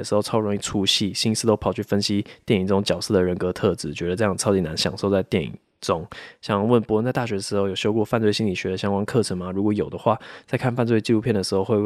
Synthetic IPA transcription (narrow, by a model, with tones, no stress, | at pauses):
ə˩ʂ̩˧˥xo˥˧ʊt͡sʰɑ˥ʊɻŋi˥˩ʈ͡ʂʰu˥ɕi˥˩ɕi˥nsɹ̩˥˩t̪o˥ʊpʰɑ˨˩ʊt͡ɕʰy˥˩fə˦nɕi˥t̪jɛ˥˩ni˨˩ŋʈ͡ʂʊ˥ŋt͡ɕjɑ˨˩ʊʂ̩˥˩d̪ə˩ɻə˧˥nkɤ˧˥t̪ʰɤ˥˩t͡sɹ̩˨˩t͡ɕɥɛ˧˥d̪ə˧ʈ͡ʂɤ˥˧jɑ˥˩ŋt͡sʰɑ˥ʊt͡ɕi˨˩na˧˥nɕjɑ̰˨˩ŋʂo˥˧ʊt͡sa˥˧ɪt̪jɛ˥˩nḭ˨˩ŋŋ | ʈ͡ʂʊ˥ŋɕjɑ˨˩ŋwə˥˩npu˧˥wə˥˧nt͡sa˥˧ɪt̪a˥˩ɕɥɛ˧˥d̪ə˩ʂɻ̩˧xo˥˩jo˨˩ʊɕjo˥ʊkwɔ˥˧fa˥˧nt͡swe˥˩ɪɕĩ˥nli˨˩ɕɥɛ˧˥d̪ə˧˩ɕjɑ˥ŋkwa˥nkʰɤ˥˩ʈ͡ʂʰə˧˥ŋma˧ɻu˧˥kwɔ˧˥jo˨˩ʊd̪ə˦xwa˥˩t͡sa˥˧ɪkʰa˥˧nfa˥˧nt͡swe˥˧ɪt͡ɕi˥˧u˥pʰjɛ˥˩nd̪ə˩ʂ̩˧˥xo˥˧ʊxwe˥˧ɪ